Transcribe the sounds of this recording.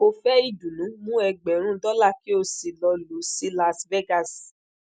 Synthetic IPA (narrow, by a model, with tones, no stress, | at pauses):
o˧fɛ˦i˦˨d͡ʒũ˨nũ˨˦mũ˦ɛ˧ɡ͡bɛ˨ɾ̃ũ˦dɔ˦la˦˨ki˦o˧si˨lɔ˧lo˨˦si˦la˧svɛ˦ɡa˦˨s